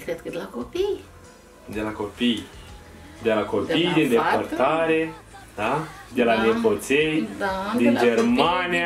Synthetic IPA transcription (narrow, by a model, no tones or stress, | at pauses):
kɾed̪kəd̪elakopij | d̪elakopij | d̪elakopid̪end̪eport̪aɾe | d̪ad̪elaneposejd̪ind͡ʒermanʲia